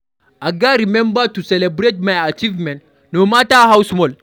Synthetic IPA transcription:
aɡaɾimɛ̃mbatusɛlɛbɾet̚majat͡ʃivmɛ̃nt | nomataɦawsmɔl

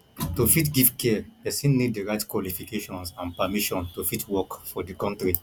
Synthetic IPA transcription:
tofitɡivkɛdestĩlniddiɹaɪtkwɔlifikeʃɔ̃nsãnpamiʃɔ̃ntofitʰwɔkfɔdikɔ̃ntɹi

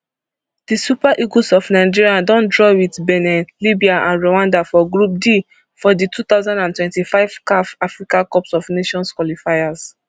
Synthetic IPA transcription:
d̥isupaʔiɡosɔfnaɪd͡ʒiɹiadɔ̃ndɹɔwitbɛnɛ̃nlibiaʔã̰nɹowãndafɔɡɹup̚di | fɔditʰut̪aʊzãndãntwɛ̃ntifaɪv̥kafafɹikãkɔpsɔvneʃɔ̃nskwalifajas

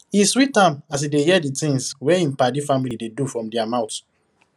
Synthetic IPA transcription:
ĩswitãmas̬idejɛditĩŋswɛĩmpadifamilidedufɹɔ̃mdiamãʊt

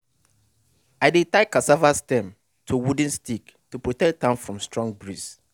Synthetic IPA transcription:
aɪdɪtakasavastɛ̃m | tʰuwud̃nstiktupʰɹotɛk̚tʰãnfɹɔ̃mstɹɔ̃ŋɡbɹis

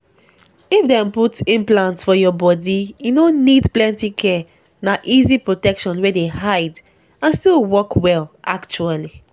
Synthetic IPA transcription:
ifdɛ̃mputĩmplãntsfɔjɔbɔdijunonidplɛ̃ntikʰɛ | naʔizipɹotɛkʃɔ̃nwedeɦaɪd | ãnstilˠwɔkwɛlʔakt͡ʃuali

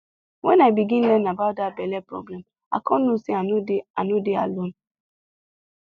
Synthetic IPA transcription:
wɛnaɪbiɡĩn̩lɛnabaʊt̚dabɛlɛpɾɔ̰blɛm | a̰kʰɔnusiananudealon

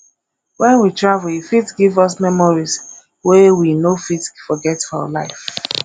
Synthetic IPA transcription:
wɛ̃nwitɹavlhifitɡivɔs̬mɛmɔɹis | wewinofitfɔɡɛtaa̰laɪf

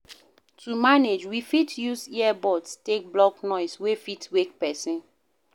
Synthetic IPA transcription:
tʰumaned͡ʒwifitʰjuziɛbɔdstek̚blɔknɔɪswefitwek̚pɛsĩn

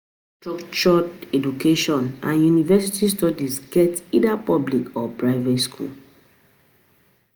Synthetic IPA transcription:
stɹɔkt͡ʃɔɛdukʰeʃɔ̃nã̰njunivɛsitistɔdisɡɛtidapɔblikɔpɹaɪvɛtskʰṵl

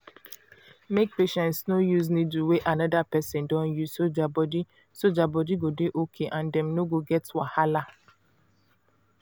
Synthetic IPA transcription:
mek̚peʃɛ̃ntsnojus̬nituweʔanɔdapɛsɛ̃ndɔ̃njuzsod͡ʒabɔdi | sod͡ʒabɔdiɡodeʔokʰeʔãndɛ̃mnoɡoɡɛtwahala

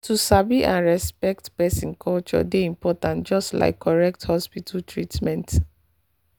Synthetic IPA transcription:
tusabiʔãnɹɛspɛk̚tpɛsĩnkʰɔlt͡ʃɔ̰deĩmpɔtãntd͡ʒɔstla̰ɪkʰːɔɹɛk̚thɔspitʰaltʰɹitmɛ̃nt

